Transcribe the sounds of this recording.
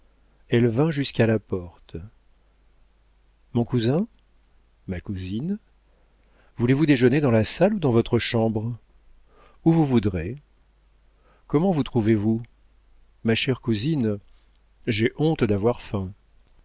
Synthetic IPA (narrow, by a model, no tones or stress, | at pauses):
ɛlvɛ̃ʒyskalapɔʁt̪ | mɔ̃kuzɛ̃ | makuzin | vulevud̪eʒəned̪ɑ̃lasalud̪ɑ̃vɔt̪χəʃɑ̃bʁ | uvuvud̪ʁe | kɔmɑ̃vut̪χuvevu | maʃɛʁkuzin | ʒeʔɔ̃t̪d̪avwaʁfɛ̃